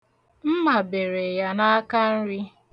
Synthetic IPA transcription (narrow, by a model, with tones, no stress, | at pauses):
m̩˦ma˨be˨ɾe˨ja˦na˦a˦ka˦n̩˦ɾi˦